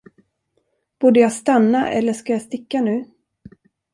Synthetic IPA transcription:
b̥uːɖəjɑːst̪anːaʔɛ̰lːəʂkajɑːst̪ɪkːanʉ̟ː

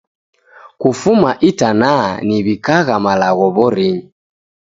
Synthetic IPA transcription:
kufumaʔitananiβikaɣamalaɣɔβɔɾiɲi

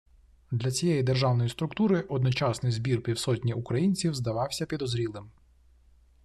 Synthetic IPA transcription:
d̪lʲɐt͡sʲijɛjid̪erʒɑwnɔjist̪ɾʊkt̪uɾɪʔɔd̪nɔt͡ʃɑsnɪjzbʲirpʲiwsɔtʲnʲiʔʊkɾɐjinʲt͡sʲiwzd̪ɐʋɑwsʲɐpʲid̪ɔzɾʲilˠɪm

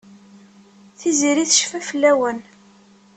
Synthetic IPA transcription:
θiziɾiθʃfæfəlːæwən

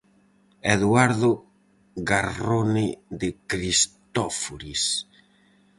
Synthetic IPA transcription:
eðwaɾðo | ɣaroneðekɾist̪ɔfuɾis

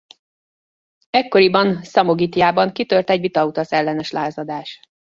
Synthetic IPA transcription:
ɛkːo̞ɾibɒnsɒmoɡit̪jaːbɒŋkit̪ørt̪ɛɟʋit̪ɒut̪ɒsɛlːɛnɛʃlaːzɒd̪aːʃ

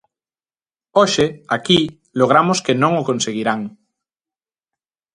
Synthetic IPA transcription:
oʃeaki | loɣ̞ɾamoskenõŋokõnseɣ̞iɾaŋ

